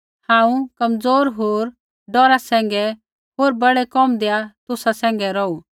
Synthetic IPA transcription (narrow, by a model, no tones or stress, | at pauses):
hãːũkɐmd͡zoːɾɦoːɾ | ɖɔɾasɛ̃ːŋ̆ɡɛ | ɦoːɾbɐɽɛkɔmd̪eːat̪ʊsasɛ̃ːŋɡɛɾɔu